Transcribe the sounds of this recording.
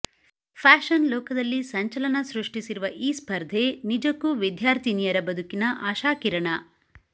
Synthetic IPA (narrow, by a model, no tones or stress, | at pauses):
pʰaːʃɐnlɔːkɐd̪ɐlːisɐɲt͡ʃɐlɐnɐsɾuʂʈisiɾuʋɐʔiːspʰɐɾd̪ʱenid͡ʒɐkːuʋid̪ʱjaːɾt̪ʰinijɐɾɐbɐd̪ʱukinɐʔaːʃaːkiɾɐɳɐ